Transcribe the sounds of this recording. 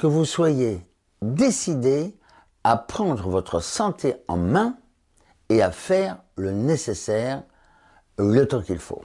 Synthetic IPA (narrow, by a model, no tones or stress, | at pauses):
kəvuswaje | d̪esid̪e | apχɑ̃d̪ʁəvɔt̪χəsɑ̃t̪ʰeɑ̰̃mɛ̃ | eafɛʁ | lənesesɛːʁ | lət̪ɑ̃kilfo̰